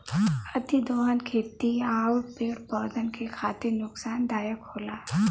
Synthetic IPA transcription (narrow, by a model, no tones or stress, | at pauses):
ɐt̪id̪oːɦankʰeːt̪iaːupeːɾpɔːd̪ʱənkekʰaːt̪ɪɾnʊksaːnd̪aːjəkhoːlaː